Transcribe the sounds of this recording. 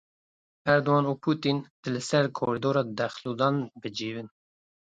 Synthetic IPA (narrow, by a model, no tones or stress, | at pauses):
ɛɾd̪owɑːnuːpʰuːt̪int̪ɨlɨsɛɾkʰoɾid̪oːɾɑːd̪ɛxlud̪ɑːnbɨd͡ʒiːvɨn